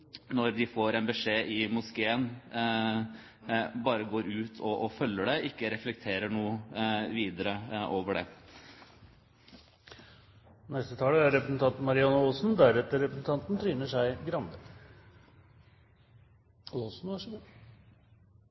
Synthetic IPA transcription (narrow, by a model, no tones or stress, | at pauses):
nɔɾd̪ɪfoːɾɛnbəʂeːʔɪmʊskeːən | bɑːɾəɡoːɾʉːt̪ʰɔʔɔfœlːəɖɛɪkːəɾɛflɛk̚t̪ʰeːɾəɳuːəʋiːd̪əɾəʔoːʋəɖɛ̰ | nɛst̪ət̪ʰɑːləæɾɛpɾəsn̩t̪ʰɑnt̪nmɑɾɪɑnəɔlsn̩d̪æɾɛt̪ːəɾɛpɾəsn̩t̪ʰɑnt̪n̩t̪ʰɾyːnəʂæɪɡɾɑnd̪ə | lɔsn̩æʂ